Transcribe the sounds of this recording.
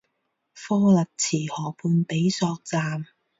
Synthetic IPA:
fɔː˥lɐ˨k̚t͡sʰiː˨˩hɔː˨˩pʰuː˨˧npe˨˥jsɔː˧k̚t͡saː˧m

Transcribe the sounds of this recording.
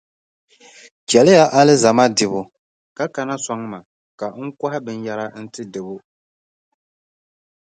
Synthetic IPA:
t͡ʃɛ˨lɪ˦ja˦ʔa˦lɪ˦za˨ma˦dɪ˨βʊ˨ | ka˦ka˨na˦sa˦ŋ˦ma˨ | ka˨ŋ̩˦ka˦hɪ˦bɨ˨n˦ja˦la˦n̩˦tɨ˦dɨ˨bʊ˦

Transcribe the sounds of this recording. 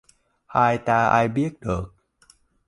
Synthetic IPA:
haː˧jt̪aː˧ʔa̰˧jbi˥˩ək̚dɤː˨˩k̚

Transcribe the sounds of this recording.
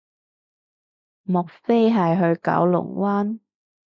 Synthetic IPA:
mʊ˨˩k̚fe˥jɦɐ˨jɦɵ˧ɥkɐ̰˨˥wlʊ̰˨˩ŋwaː˥n

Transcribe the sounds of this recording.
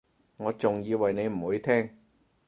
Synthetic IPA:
ŋɔː˨˧˥t͡sʊ˨˩ŋjiː˨˧wɐ˨˩jne˨˧jm̩˨˩huː˨˧˥jt̪ʰɛː˥ŋ

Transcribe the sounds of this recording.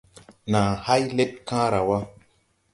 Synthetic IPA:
nãː˨ha˦jle˦t̚kã˦ɾa˨wa˦

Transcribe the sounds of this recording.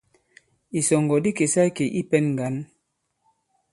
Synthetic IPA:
i˨sɔ˨ŋɡɔ˨di˦ke˨sa˦i˦ke˨ʔi˦pɛ˦nŋ˨ɡa˨˦n

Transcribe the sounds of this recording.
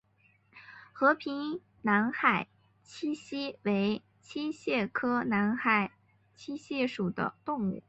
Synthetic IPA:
xɤ˧˥pʰi˧˥ŋ | na˧˥nxa˨˩ɪ | t͡ɕʰi˥ɕi˥we˧˥ɪ | t͡ɕʰi˥ɕjɛ˥˩kʰɤ˥na˧˥nxa˨˩ɪ | t͡ɕʰi˥ɕjɛ˥˩ʂu˨˩d̪ə̰˦t̪ʊ˥˧ŋṵ˥˩

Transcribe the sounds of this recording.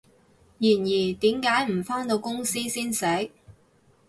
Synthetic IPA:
jiː˨˩njiː˨˩t̪iː˨˥mkaː˨˥jm̩˨˩fɔː˥ŋt̪o˧wkʊ˥ŋsiː˥siː˥nsɛ˨˥

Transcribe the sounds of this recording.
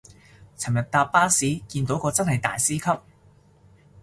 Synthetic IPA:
t͡sʰɐ˨˩mjɐ˨t̚t̪aː˧ppːaː˥siː˨˥kiː˧nt̪̬o˨˥wkɔː˧t͡sɐ˥nhɐ˨jt̪a̰ː˨jsiː˥kʰɐ˥p̚

